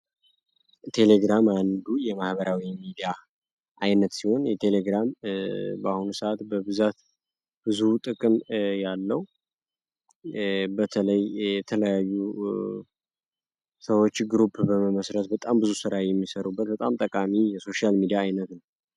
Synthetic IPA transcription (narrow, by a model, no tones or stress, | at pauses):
t̪ʰe̞le̞ɡɾamand̪ujɛmahbəɾawimid̪ija | ʔajnət̪siho̞njɛt̪ʰele̞ɡɾambahunusəʔat̪bəβɨzat̪ | b̥ɨzut̪ʼɨkʼɨmjalːəwu | bət̪ʰələjjɛt̪ʰələjajːu | səwo̞t͡ʃːɡɾupʰbəməməsɾət̪bət̪ʼambɨzusɨɾajɛmːisəɾubːət̪̚bət̪ʼamt̪ʼəkʼamijɛso̞ʃalmid̪ijaːjnət̪nəw